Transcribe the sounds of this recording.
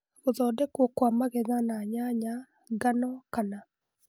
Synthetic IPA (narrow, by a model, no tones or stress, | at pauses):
ɣoðɔdɛkwɔkwamaɣɛðanaɲaɲa | ɡanɔkana